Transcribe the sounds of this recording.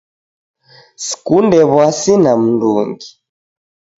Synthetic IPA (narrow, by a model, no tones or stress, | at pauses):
si̥kundɛβwasinam̩nduŋɡi